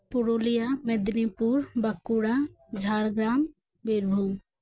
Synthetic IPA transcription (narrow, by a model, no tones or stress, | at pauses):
pʊɾoːlijamed̪nipuɾbɐkːuɽad͡ʒʱaːɽɡɾaːm | bɪɾbʱu